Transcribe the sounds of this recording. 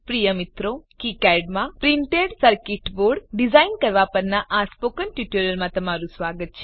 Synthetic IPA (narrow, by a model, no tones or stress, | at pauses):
pɾijəmit̪ɾokikɛɖmãpɾiɳʈeɖsəɾkɪʈboɖɖizainkəɾʋapəɾnaʔaspokənʈjuʈoɾjəlmãt̪ɐmaɾũsʋaːɡət̪̚t͡ʃʰe